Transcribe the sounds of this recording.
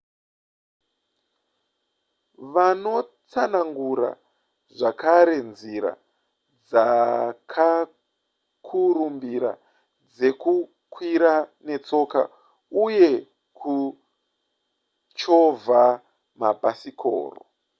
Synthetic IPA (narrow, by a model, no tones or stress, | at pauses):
ʋano̞t͡sanaŋɡuɾa̰ | ʐakʰaɾe̞nziɾa̰ | d͡zakʰa | kʰurumbiɾa̰ | d͡ze̞ku | kʰwiɾane̞t͡so̞ka̰ | uje̞ | kʰu | t͡ʃova | mabʱasikʰo̰ːro̰